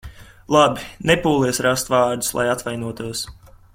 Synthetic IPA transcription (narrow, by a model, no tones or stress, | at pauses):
lˠabinepuːlˠiɛsɾast̪vaːɾd̪u̥slˠʔa̰jat̪vajnuɔt̪uɔs